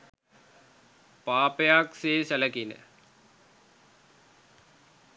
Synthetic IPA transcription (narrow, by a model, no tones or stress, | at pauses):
paːpejakseːsɐləkinə̰